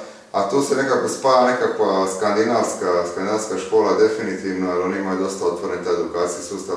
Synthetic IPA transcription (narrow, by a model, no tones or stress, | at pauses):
at̪uːsene̞kako̞spaːjane̞kakʋaskand̪inaʋskaskand̪inaskaʃko̞ːlad̪e̞finit̪iːʋnoalonimajud̪o̞st̪aot̪ʋoɾent̪aed̪ukaːt̪sijesuːst̪a